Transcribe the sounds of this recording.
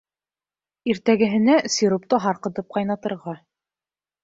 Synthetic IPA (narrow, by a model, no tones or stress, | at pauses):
iɾt̪æɡɘ̆ɦɘ̆næsʲiɾup̚t̪ɤɦɑɾqɤ̆t̪ɤp̚qɑjnɑt̪ɤ̆ɾʁɑ